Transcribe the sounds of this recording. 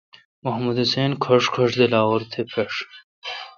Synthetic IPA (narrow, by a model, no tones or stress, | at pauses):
mɐɦmud̪ɐseːnkʰɐʂkʰɐʂd̪elaːwɐɾt̪ʰepʰeʂ